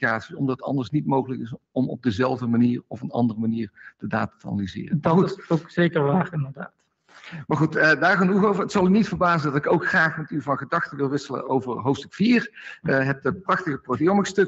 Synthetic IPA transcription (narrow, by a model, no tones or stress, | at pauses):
kaːtsiɔmdɑtətɑ̰ndəɹsnitmowɣələkɪsɔmɔ̰b̚dəzɛlˠvdəmaniːrɔfənɑ̰ndərəmaniːɹd̥ədaːtatəɑ̰nalizɪ̰ːrədoksejkəɹʋaːrɪndəɹdaːt | maɹχutːdaːɹχanuɣowvəɹətsɑlˠynitfəɹbaːzəndɑtɪkowkxraːχmɛtyvɑnχədɑxtəʋɪlˠʋɪsələ̰ʔowvəɹɦowftstɵkfiːrəɦɛp̚dəprɑxtəɣəprotijomɪkstɵk